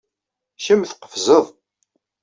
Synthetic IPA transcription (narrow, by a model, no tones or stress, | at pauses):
çəmθqə̥fzəðˤ